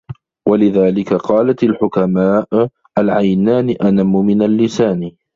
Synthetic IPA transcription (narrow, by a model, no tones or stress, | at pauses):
walɪðaːlɪkaqɑːlat̪alħʊkamaːʔ | ʔalʕajnaːnɪʔanamːʊmɪnalːɪsaːn